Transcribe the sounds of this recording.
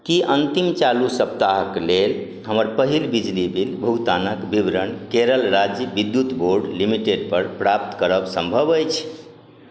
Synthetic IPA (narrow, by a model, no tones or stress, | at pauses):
kiʔənt̪imt͡ʃalusəp̚t̪aɦəklel | ɦəməɾpəɦilbid͡ʒlibʱilbʱut̪anəkbibɾənkeɾəlɾad͡ʒjəbid̪jut̪boɾɖlimiʈeɖ̚pəɾpɾap̚t̪kəɾəbsəmbʱəbəjt͡ʃʰ